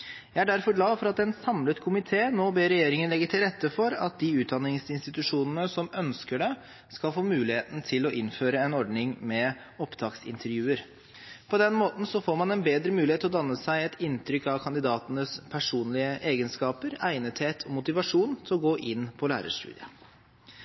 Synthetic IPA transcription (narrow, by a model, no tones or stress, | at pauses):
jæɪæɖæɾfɔɖlɑːfɔɾɑt̪ɛnsɑmlət̪kʰʊmɪt̪ʰeːnoːbeːɾɛjeːɾɪŋənlɛɡːət̪ʰɪlɾɛt̪ːəfɔɾɑ̰t̪̚d̪iːʉːt̪̚d̪ɑnːɪŋsɪnst̪ɪt̪ʉʂuːnənəsɔmœnskəɖɛ | skɑlfoːmʉːlɪheːt̪n̩t̪ʰɪlɔʔɪnføːɾəɛnɔɖɳɪŋmɛ | ɔpt̪ʰɑːksɪ̰nt̪ʰəɾjʉːəɾ | pʰɔd̪ɛnmoːt̪n̩sɔfoːɾmɑnɛnbeːd̪ɾəmʉːlɪhet̪ʰːɪlɔd̪ɑnːəsæɪɛt̪ʰɪnt̪ʰɾʏkːɑʋkʰɑnd̪ɪd̪ɑːt̪ənəspʰæʂuːnlɪəʔeːɡənskɑːpəɾæɪnət̪heːt̪ʰɔmʊt̪ɪʋɑʂuːnt̪ʰɪlɔɡoːʔɪnːpʰɔlæ̰ːɾə̰ʂt̪ʉ̰ːd̪ɪə